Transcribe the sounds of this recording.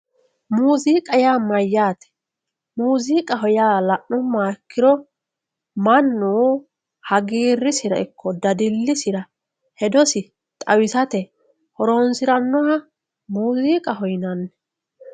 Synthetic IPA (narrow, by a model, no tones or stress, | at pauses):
muːziːkʼɐjaːmɐjːaːt̪ɛ̥ | muːziːkʼɐɦɔjaːlɐʔɔmːaːkːɪɾɔ | mɐnːuː | hɐɡiːrːɪsɪɾɐɪkʰːɔd̪ɐd̪ɪlːɪsɪɾɐ | hɛd̪ɔsɪ | t̪ʼɐwɪsɐt̪ɛ | hɔɾoːnsɪɾɐnːɔhɐ | muːziːkʼɐɦɔjnɐnːɛ